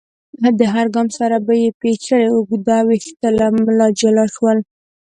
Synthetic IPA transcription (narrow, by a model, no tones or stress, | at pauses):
ad̪əɦaɾɡɑmsaɾabajepet͡ʃəɽeʊɡd̪awixt̪əlamlɑd͡ʒalɑʃwəl